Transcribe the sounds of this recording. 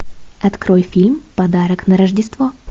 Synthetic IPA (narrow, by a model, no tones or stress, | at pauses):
ɐt̪kɾojfʲilʲmpɐd̪aɾəknəɾəʐdʲɪst̪vo